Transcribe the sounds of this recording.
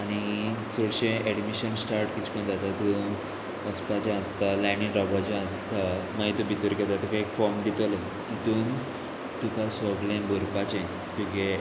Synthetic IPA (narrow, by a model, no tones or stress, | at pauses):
aɽ̃it͡soɽɕẽʔɛɽmiɕənsʈaɾʈkit͡ɕʰkəɳ̃d͡zat̪at̪u | əspat͡ɕãəst̪alãñĩɾɔbad͡ʑãəst̪amaɦit̪ubit̪əɾkɛd͡z̪at̪ukaekfɔɾmd̪it̪əl | t̪it̪uːn | t̪ukasɔɡlẽbəɾpat͡ɕẽ | t̪uɡe